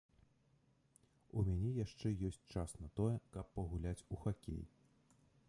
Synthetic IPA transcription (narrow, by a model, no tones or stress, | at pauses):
umʲanʲɛjaʂt͡ʂɛjɔsʲt͡sʲt͡ʂasnɐt̪ɔjɛkɐpːɐɣulʲat͡sʲuxakʲḛj